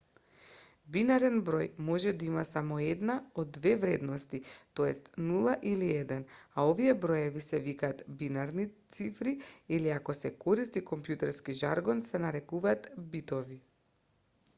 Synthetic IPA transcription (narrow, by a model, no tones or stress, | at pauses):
binaɾɛnbɾɔjmɔʒɛd̪aimasamɔɛd̪naod̪ːvɛvɾɛd̪nɔst̪it̪oɛst̪nulˠaʔiliɛd̪ɛnaoviɛbɾɔjɛvisɛvikaːt̪binaɾnit̪sifɾiiliakɔsɛkɔɾist̪ikɔmpjut̪ɛɾskiʒa̰ɾɡɔnsɛnaɾɛkuvaːt̪bit̪ɔvi